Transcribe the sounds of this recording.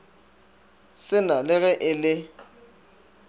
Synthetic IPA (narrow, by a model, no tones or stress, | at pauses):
sɪnalɪɣɛʔɪlɪ